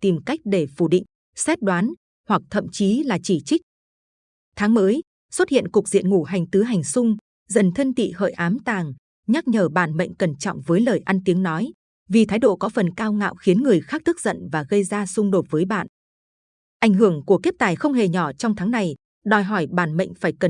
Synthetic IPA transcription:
t̪i˨˩mka˦˥jk̟̚ɗe˧˩fu˧˩ɗḭ̈˧˨ŋ̟ | sɛ˦˥t̚ɗwaː˨˦n | hwa˨˩k̚t̪ʰə̰˧˨mt͡ɕi˨˦laː˨˩t͡ɕi˧˩t͡ɕï˦˥k̚ | t̪ʰaː˨˦ŋməː˨˦j | swə˦˥t̚hḭ˧˨ənkʊ˨˩k̚zḭ˧˨ənŋu˧˩ɦa˨˩jŋ̟t̪ɨ˨˦ɦa˨˩jŋ̟sʊ˧ŋ͡m | zə̰˧˩nt̪ʰə˧nt̪ḭ˧˨hə̰ː˧˨jʔaː˨˦mt̪aː˨˩ŋ | ɲa˦˥k̚ɲəː˧˩ɓaː˧˩nmə̰˧˨jŋ̟kə˧˩nt͡ɕɔ̰˧˨wŋ͡mvəː˨˦jləː˨˩jʔa˧nt̪i˨˦əŋnɔ˨˦j | vi˨˩t̪ʰaː˨˦jɗo̰˧˨kɔ˨˦fə˨˩nkaː˧wŋa̰ː˧˨wxi˨˦ənŋɨ˨˩əjxaː˦˥k̚t̪ʰɨ˦˥k̚zə̰˧˨nvaː˨˩ɣə˧jzaː˧sʊ˧ŋ͡mɗo˨˩t̚vəː˨˦jɓa̰ː˧˨n | ʔa˧˩jŋɦɨ˧˩əŋku˧˩əke˦˥p̚t̪aː˨˩jxə˧wŋ͡mhe˨˩ɲɔ˧˩t͡ɕɔ˧wŋ͡mt̪ʰaː˨˦ŋna˨˩j | ɗɔ˨˩jɦɔ˧˩jɓaː˧˩nmə̰˧˨ŋ̟faː˧˩jkə˨˩

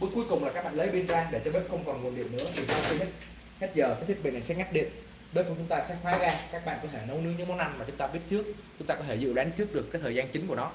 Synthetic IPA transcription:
ɓu˨˦˥ku˨˦jkʊ˨˩ŋ͡mlaː˨˩kaː˦˥k̚ɓ̰aː˧˨lə˨˦jɓi˧nzaː˧ɗe˧˩t͡ɕɔ˧ɓi˦˥t̚xə˧wŋ͡mkɔ˨˩nŋu˨˩ənɗḭ˧˨ənːɨ̰˧˥əvi˨˩sɛ̰˨˧˥t͡ɕi˧ɦə˦˥t̚ | ka˦˥t̚zəː˨˩ka˨˦jt̪ʰi˦˥k̚ɓḭ˧˨na˨˩jsɛ̰˧˥ŋa˦˥k̚ɗḭ˧˨ən | ɓe˦˥tfu˧˩t͡ɕʊ˨˦ŋ͡mt̪aː˧sɛ̰˧˥xwaː˨˦ɣaː˧kaː˦˥k̚ɓa̰ː˧˨nkɔ˨˦t̪ʰe˧˩nə˧wnɨ˧˥ŋɲɨ̰˧˦mo˦nːa˧nmaː˨˩t͡ɕʊ˨˦ŋ͡mt̪aː˧ɓi˦˥ət̚t̪ʰɨ˦˥ək̚ | t͡ɕʊ˨˦ŋ͡mt̪aː˧kɔ˨˦t̪ʰe˧˩zɨ̰˧˨ɗa˨˦ŋt͡ɕ̪ʰɨ˦˥ək̚ɗəkaː˨˥k̚t̪ʰəː˨˩zaː˧nt͡ɕï˨˦ŋ̟ku˧˩ənɔ˨˦

